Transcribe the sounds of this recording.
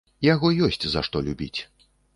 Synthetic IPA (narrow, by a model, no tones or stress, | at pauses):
jaɣɔjɔsʲt͡sʲza̰ʂt̪ɔlʲubʲḭt͡sʲ